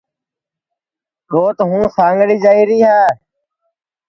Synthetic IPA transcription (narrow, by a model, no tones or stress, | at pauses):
ɗoːt̪ɦũːsãːŋɡɽiːd͡ʒaːiːɾiːɦaː